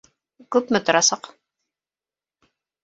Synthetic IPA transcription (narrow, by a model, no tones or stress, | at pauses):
kʉpmɘt̪ŏɾɑsɑq